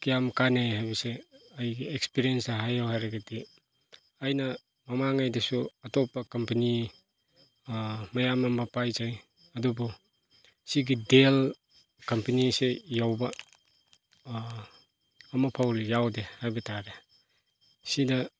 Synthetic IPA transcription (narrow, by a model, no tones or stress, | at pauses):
kijamkanejhajbɐseajɡiekspiɾijensaɦajawɦajɾaɡadi | ɐjnɐ | mɐmaŋajdɐsuɐtɔpːɐkɐmpɐni | mɐjamɐmɐpajzaj | ɐdubɔ | siɡidel | kɐmpɐnisejawbɐ | mɐpʰawɾijawdehajbɐtʰaɾe | sidɐ